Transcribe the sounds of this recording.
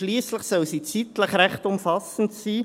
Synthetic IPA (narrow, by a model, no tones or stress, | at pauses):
liːsləχsœlsit͡sit̪ləχɾæχtʊmfɑsn̩tsiː